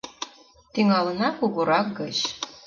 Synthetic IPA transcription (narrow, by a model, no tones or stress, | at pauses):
t̪iŋɑlɤ̆nɑkuɣuɾɑk̚ɡɤt͡ɕ